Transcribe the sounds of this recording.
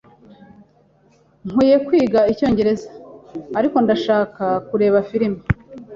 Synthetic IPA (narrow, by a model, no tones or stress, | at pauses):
ŋ̥uːje̞kwiːɡaico̞ːɲɟe̞ɾe̞zḁːɾiko̞ndaʃaːkakuɾe̞ːβafiɾima